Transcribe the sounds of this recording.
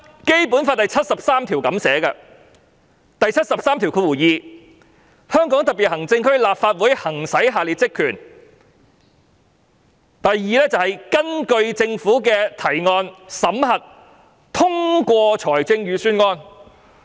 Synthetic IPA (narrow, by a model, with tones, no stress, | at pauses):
ke˥jpuː˨˥nfaː˧t̪̚ɐ˨˩jt͡sʰɐ˥t̚sɐ˨p̚saː˥mt̪ʰi˨˩wkɐ˨˥msɛː˨˥kɐ̰˧ | t̪ɐ˨jt͡sʰɐ˥t̚sɐ˨p̚saː˥mt̪i˨˩wkʰɵ˨˧˥wuː˨˩jiː˨˧ | hœː˥ŋkɔː˨˥ŋt̪ɐ˨t̚piː˨t̚hɐ˨˩ŋt͡sɪ˧ŋkʰɵ˥ɥlaː˨p̚faː˧t̚wuː˨˥jhɐ˨˩ŋsɐ˨˥jɦaː˨liː˨t̚t͡sɪ˥kʰyː˨˩n | t̪ɐ˨jːiː˨˧lɛː˥t͡sɐ˨whɐ˨jkɐ˥nkɵ˧ɥt͡sɪ˧ŋfuː˨˥kɛː˧t̪ʰɐ˨˩jŋɔː˧nsɐ˨˥mhɐ˨t̚ | t̪ʰʊ˥ŋkʷɔː˧t͡sʰɔː˨˩jt͡sɪ˧ŋjyː˨˧syː˥nŋɔː˥n